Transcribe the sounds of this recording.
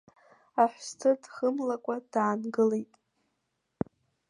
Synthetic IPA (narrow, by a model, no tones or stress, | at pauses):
aħʷstʰɨrdχəmlakʷʼad̥aːnɡɨlejtʼ